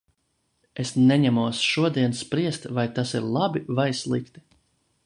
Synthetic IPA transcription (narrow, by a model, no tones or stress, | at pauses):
esnɛɲɛmuɔsʃuɔd̪iɛnspɾiɛst̪vajt̪asiɾlˠabivajslˠikt̪i̥